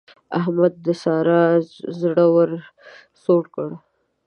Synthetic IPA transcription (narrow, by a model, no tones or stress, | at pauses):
aɦmad̪ːəsɑɾɑzɽəwəɾ | soʈkəɽ